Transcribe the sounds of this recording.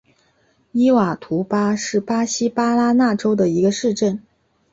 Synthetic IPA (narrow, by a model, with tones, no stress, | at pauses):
i˥wa˨˩t̪ʰu˧˥pa˥ʂɻ̩˥˩pa˥ɕi˥pa˥la˥na˥˩ʈ͡ʂo˥ʊd̪ə˨i˧˥ɡə˧ʂɻ̩˥˧ʈ͡ʂə˥˩n